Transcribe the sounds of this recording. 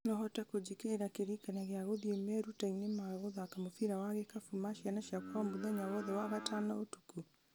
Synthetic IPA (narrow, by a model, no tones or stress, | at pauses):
nɔhɔtakod͡ʑikeːɾakeɾikanaɣeaɣoðiemɛɾutainemaɣoðaːkamofiɾawaɣekafumaʃianaʃiakwaɔmuðaɲawɔðɛwaɣatanaotu̥ku